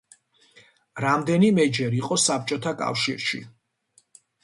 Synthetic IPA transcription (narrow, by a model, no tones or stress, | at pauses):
ɾamd̪ɛnimɛd͡ʒɛɾiqʼɔsap̚t͡ʃʼɔt̪ʰakʼa̰fʃḭɾʃḭ